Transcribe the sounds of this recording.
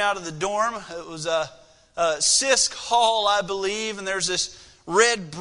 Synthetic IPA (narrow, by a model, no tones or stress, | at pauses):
aʊɾʌvðɨdɔɹmɪt̚wʌzə | sɪskhɔlˠaɪbəliṽn̩ðə˞zðɪs | ɹɛd̚b